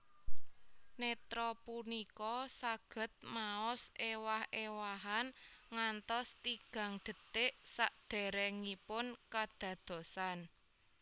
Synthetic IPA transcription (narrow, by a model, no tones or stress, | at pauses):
net̪ɾɔpunikɔsaɡ̥ə̤t̪̚maɔsewahewaɦanŋant̪ɔst̪iɡ̥ä̤ŋɖ̪̥ə̤t̪ɪʔsaʔd̪̥ɛ̤ɾɛŋipʊnkad̪̥ä̤d̪̥o̤san